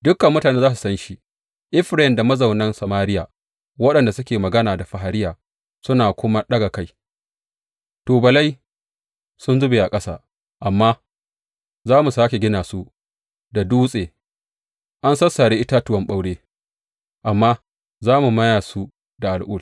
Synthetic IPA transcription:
dʊ˦kːɐ˨mːʊ˦taː˨neː˦za˦s̬u˨sɐ˦nʃi˦ | ʔɪ˦ɸɾɛ˨nda˨mɐ˦zɐ˨wnɐ˦nsɐ˨maː˦ɾɪ˦jaː˨ | wɐ˦ɗɐ˨nda˨sʊ˦kʲeː˨mɐ˨ɡɐ˦naː˨da˨ɸa˨ɦa˨ɾɪ˦jaː˨ | sʊ˦naː˨kʷʊ˦ma˦ɗɐ˦ɡa˨ka˦j | toː˨bɐ˨la˦j | sʊ˦nzʊ˦beː˨ʔa˨kʼɐ˦sa̰ː˦ | ʔa˨mːaː˦ | zaː˦mu˨saː˦kʲe˨ɡʲɪ˦naː˨su˦ | da˨duː˦sʼeː˨ | ʔa˦nsɐ˦sːa˨ɽeː˦ʔɪ˦ta˦tʊ˦wɐ˦mɓa˦wɽeː˦ | ʔa˨mːaː˦ | zaː˦mu˨mɐ˦jaː˨su˦ | da˨ʔa˨lʔʊː˦˨l

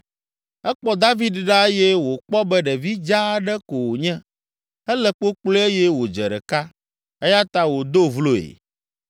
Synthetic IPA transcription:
ɛ˦k͡pɔ˦d̪a˦vi˦d̪ɖa˦ɛ˦jɛ˦wo˨k͡pɔ˦bɛ˦ɖɛ˨vi˦d͡ʒa˦ɖɛ˦ko˨wo˨ɲɛ̃˦ | ɛ˦lɛ˦k͡po˦k͡plo˦e˦jɛ˦wo˨d͡ʒɛ˨ɖɛ̰˨ka˦ | ɛ˦ja˦t̪a˦wo˨d̪o˦vlo˦ḛ˨

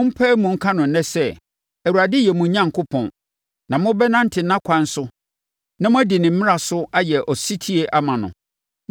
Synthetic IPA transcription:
ʊ̃˦m̩˦pʰɛ˦mũ˨ŋ̩˦kʰa˦nʊ̃˨n̩˦nɛ̃˦sɛ˦ | æ˨wu˨ɾa˨dɪ˦jɛ˨mũ˨˦ɲã˦ŋ̩˨kʰʊ˦pʰɔ̰̃˨n | nã˨mʊ̃˦bɛ˦nã˦n̩˦tʰɪ˨nã˦kʷʰã˨n̩˦sʊ˦ | nã˦mʊ̃˦æ˦dɪ˨nɪ̃˨m̩˦mɪ̃˦a˨sʊ˦a˦jɛ˨ʔɔ˨si˦tʰi˦e˦ʔa˦mã˨nʊ̰̃˨

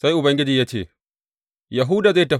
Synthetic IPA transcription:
sa˦jʔʊ˨bɐ˦ŋɡʲɪ˦d͡ʒiː˨ja˦t͡ʃḛː˦˨ | jɐ˨ɦuː˦da˨za˦tɐ˨

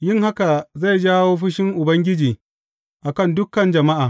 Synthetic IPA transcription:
jɪ˦ŋha˦ka˨za˦˨jd͡ʒaː˦woː˦ɸɪ˦ʃɪ˦ŋʔʊ˨bɐ˦ŋɡʲɪ˦d͡ʒiː˨ | ʔa˨kɐ˦˨ndʊ˦kɐ˨nd͡ʒɐ˨ma˦ʔaː˨

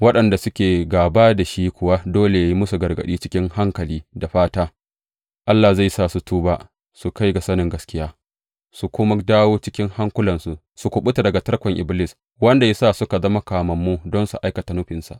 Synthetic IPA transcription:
wɐ˦ɗɐ˨nda˨sʊ˦kʲeː˨ɡaː˨baː˦da˨ʃi˦kʷʊ˨wa˦doː˦le˨ja˦ji˦mʊ˦su˨ɡɐ˨rɡɐ̰˨ɗiː˦t͡ʃɪ̥˦kʲɪ˦ŋha˦ŋkɐ˨liː˦da˨ɸaː˦taː˦ | ʔa˦lːa˨za˦˨jsaː˦˨su˨tuː˦baː˦ | su˨ka˦jɡa˨sɐ˦nɪ˨ŋɡɐ˦skʲɪ˦jaː˦ | su˨kʷʊ˦ma˦daː˦woː˦t͡ʃɪ˦kʲɪ˦ŋha˦ŋkʷʊ˦lɐ˨nsu˦ | su˨kʷʊ˨ɓʊ˦ta˨dɐ˨ɡa˨tɐ˦rkʷɔ˨ŋʔɪ̰˨blɪ˦˨s | wɐ˦nda˨ja˦saː˦˨sʊ˦ka˨zɐ˦ma˦kaː˨mɐ˨mːuː˦dɔ˦nsu˨ʔa˦jkɐ˨ta˨nʊ˦ɸɪ˨nsa̰˨ʔ

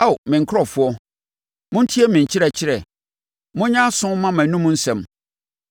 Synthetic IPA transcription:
a˦˨wmɪ̃˨ŋ̩˨kʰɾɔ˨fʊ˨˦ɔ˦ | mʊ̃˦n̩˦tʰi˦ɛ˦mɪ̃˨ɲ̩˨t͡ɕʰɪ˦ɾɛ˨t͡ɕʰɪ˦ɾɛ˨ | mʊ̃˦ɲã˦sʊ̃˦mã˦mæ̃˨nũ˦mũ˦n̩˦sɛ̃˨m

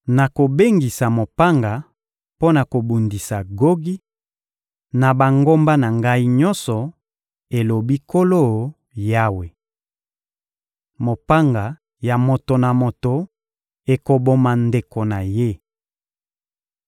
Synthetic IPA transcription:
na˨ko˨be˦ŋɡi˨sa˨mo˨pa˦ŋɡa˨ | po˦na˨ko˨bu˨ndi˨sa˨ɡo˦ɡi˦ | na˨ba˨ŋɡo˦mba˦na˨ŋɡa˦i˦ɲɔ˦nsɔ˨ | e˨lo˨bi˦ko˦lo˦˨ | ja˦we˨ | mo˨pa˦ŋɡa˨ | ja˨mo˨to˨na˨mo˨to˨ | e˨ko˨bo˨ma˨nde˨ko˨na˨je˦

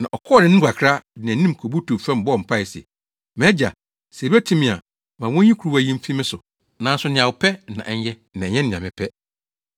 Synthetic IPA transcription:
nã̰˨ʔɔ˨kʰɔː˦˨nɪ̃˦nɪ̃˦ɡʷa˨kʰɾa˦nɪ̃˨nĩ˦m˨kʰo˨bu˦tʰu˨fɛ̃˦m˨bɔ˦˨m̩˨pʰa˦˨ɪ˨sɛ̰˨ | m˨ɛ̃˦d͡ʑa̰˨ | se˨bi˦æ˦tʰĩ˦mɪ̃˨a̰˨ | mã˨wɔ̃˦ɲĩ˦kʰɾu˦wa˦jĩ˦m̩˦fi˦mɪ̃˦sʊ˨ | nã˨n̩˦sʊ˨˦nɪ̃˨ã˨wʊ˨pʰɛ˦nã̰˨ʔɛ˦ɲ˦ɛ˦ | nã˨ɲɛ̃˦nɪ̃˨ã˨mɪ̃˨pʰɛ˦

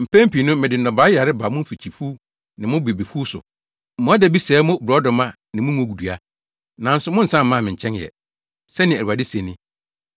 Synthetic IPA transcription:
m̩˨pʰæ̃˦m̩˦pi˨nʊ̃˦mɪ̃˨dɪ˨n̩˨ɔ̃˨baː˦ja˨ɾɪ˦ba˨mʊ̃˦m̩˦fi˨t͡ɕʰi˨fu˦ | nɪ̃˨mʊ̃˦be˨be˨fu˦sʊ̰˨ | mʊ̃˦a˦dɛ˨˦bi˦sɛː˨˦mʊ̃˦bɾɔ˨˦dɔ˨mã˦ | nɪ̃˨mʊ̃˦mũ˦o˦˨ɡu˨du˨a˦ | nã˨˦n̩˦sʊ˨mʊ̃˦n̩˨sã˦m̩˦mã˦˨mɪ̃˨ɲ̩˨t͡ɕʰɛ̃˦n˨jɛ̰˨ | sɛ˦nɪ̃˨æ˨u˨a˨dɪ˦se˨nɪ̃˦

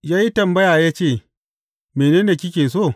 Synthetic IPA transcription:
jaː˦ji˦tɐ˨mbɐ˦jaː˨jaː˦t͡ʃeː˦˨ | meː˨neː˦neː˨kʲɪ˦kʲeː˨s̬oː˦˨

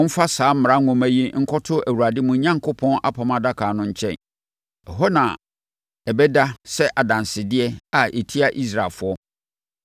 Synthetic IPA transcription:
ʊ̃˦m̩˦fa˦saː˨˦m̩˦m̩˨ɾã˦ŋʊ̃˨mæ˦ji˦ŋ̩˦kʰɔ˦tʰʊ˦æ˨wu˨ɾa˨dɪ˦mʊ̃˨˦ɲã˦ŋkʰʊ˦pʰɔ̃˦nʔa̰˦pʰa˨mã˦da˦kʰaː˨nʊ̃˦ɲ̩˦t͡ɕʰɛ̰̃˦˨n | ɛ˨ɦɔ˦nã˨ | ɛ˨bɛ˦da˦sɛ˦ʔa˨dã˨nsɪ˨dɪ˦ɛ˦a˨ʔe˨tʰi˦a˦ʔi˦s̬ɾa˨lfʊ˦ɔ˦

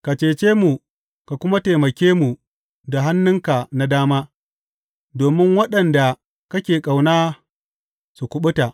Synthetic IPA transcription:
ka˨t͡ʃeː˨t͡ʃeː˦mu˨ | ka˨kʷʊ˦ma˦teː˨mɐ˨kʲeː˦mu˨ | da˨ɦa˦nːɪ˦ŋka˨na˦daː˦maː˦ | doː˨mɪ˦ŋwɐ˦ɗɐ˨nda˨ | kɐ˦kʲeː˨kʼa˨wnaː˦ | su˨kʷʊ˨ɓʊ˦ta˨ʔ

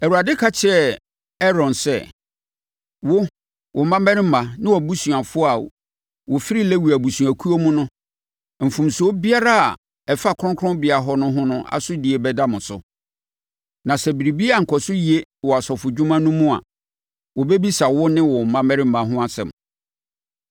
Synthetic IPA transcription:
ɛ˨wu˨ɾa˨dɪ˦kʰa˦t͡ɕʰɪ˦ɛ˨ | ɛ˦ɾɔ̃˨nsɛ˦ | wʊ˦ | wɔ˨m̩˦mã˦mɛ̃˦ɾɪ˦m̩˦˨mã˨nɪ̃˦wɔ˨bu˦sũ˨a˨fʊ˦a˨ | wɔ˨fi˦ɾi˦lɛ˦wu˨æ˨bu˨su˨a˨kʰu˦o˦mʊ̃˦nʊ̃˦ | m̩˨fũ˨mso˦bi˦a˦ɾa˦a̰˨ | ɛ˨fa˦˨kʰɾɔ̃˦ŋkʰɔ̃˦bɪ˨a˨ɦɔ˦nʊ̃˦ɦʊ̃˦nʊ̃˦a̰˨sʊ˦di˨e˨bɛ˦da˦mʊ̃˨sʊ̰˨ | nã˨sɛ˨bi˨ɾi˨bi˦a˨ŋ̩˨kʰɔ˨sʊ˦ji˨e˦wɔ˨a˨sɔ˨fʊ˨d͡ʑu˦mã˦nũ˦mũ˦a̰˨ | wɔ˨bɛ˦bi˦sa˨wʊ˦nɪ̃˦wɔ˨m̩˨mã˦mɛ̃˦ɾɪ˦m̩˦mã˨ɦʊ̃˦a˨sɛ̰˨m

